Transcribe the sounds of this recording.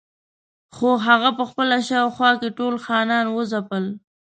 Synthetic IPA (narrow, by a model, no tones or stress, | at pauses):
xoɦaɣapəxpəlaʃɑwxwɑkeʈolxɑnɑnwəzapəl